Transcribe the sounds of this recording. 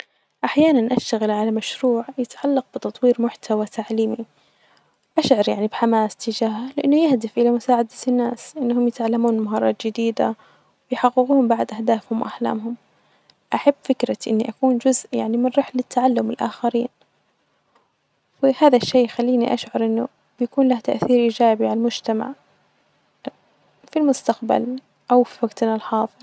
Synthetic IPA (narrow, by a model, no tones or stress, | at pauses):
ʔaħjaːnanʔaʃt̪aɣɪlʕalamaʃɾuːʕjɪt̪ʕalːɑq̚b̥ɪt̪ɑt̪ˤwiːɾmʊħt̪ʰawat̪aʕliːmi | ʔaʃʕɑɾˤjaʕnibħamaːst̪ɪd͡ʒaːhalɪʔanːʊjahd̪ɪfʔɪlamʊsaːʕad̪anːaːsʔɪnːhʊmjɪt̪ʕalːamuːnmaɦɑːɾˤɑ̰ːt̪d͡ʒɪd̪iːd̪a | wɪjħaɣːɪɣuːmbaʕd̪ʔahd̪aːfhʊmwʔaħla̰ːmɦʊm | ʔaħabːfɪkɾaʔɪ̰nːiʔakuːnd͡ʒʊzʔja̰ʕnimɪnɾɑħlːɪt̪ːaʕalːʊmɪlʔa̰xaɾiːn | wɪhaːðaʃːeːxalːiːniʔaʃʕɑɾˤʔɪnːʊ | b̥jakuːnlaht̪aʔθiːɾʔiːd͡ʒaːbiʕalalmʊd͡ʒt̪ama̰ʕ | filmʊst̪aqba̰l | ʔawfiwaɡt̪nalħɑːðˤɨðˤ